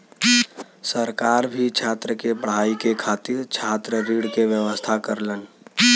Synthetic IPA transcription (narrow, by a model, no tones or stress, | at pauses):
səɾkaːɾbʱit͡ʃʰaːt̪ɾəkebəɽ̤aikekʰaːt̪iɾt͡ʃʰaːt̪ɾəɾiɽkeʋjəʋəst̪ʰakəɾlən